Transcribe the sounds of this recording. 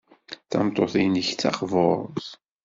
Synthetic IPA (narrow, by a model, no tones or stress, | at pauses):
θæmt̪ˤoθinəçt͡sːɑ̰χvoɾˤθ